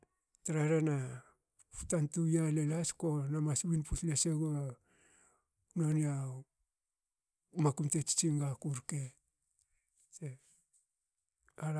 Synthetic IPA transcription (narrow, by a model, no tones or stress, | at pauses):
taɾaɾena | fu̥tantujalelasko̞namaswinpusleseɡo | nonia | makumte̞t͡ʃi̥t͡ʃiŋɡakuɾke̞ | se | a